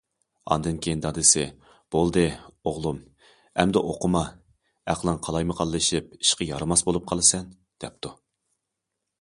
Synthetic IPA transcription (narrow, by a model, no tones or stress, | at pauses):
ɑ̰nd̪ɨnkʲʰejind̪ɑd̪ɨsɪ | b̥olˠd̪ɨoʁlˠum | ɛ̰md̪ɛʔoqʰʊmɑ | æqlˠɨŋqʰɑlˠɑjmɨqʰɑlˠːɨʃip̚i̥ʃqəjɑɾɨmɑsbolˠup̚qʰɑlˠɨsɛn | d̪̥ɛp̚t̪ʰu